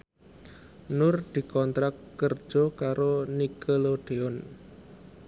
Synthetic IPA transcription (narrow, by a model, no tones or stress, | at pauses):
nʊrd̪̥i̤kɔnt̪ɾakkːərd̥ʒ̥ɔkaɾonikəloɖ̪̥e̤ɔn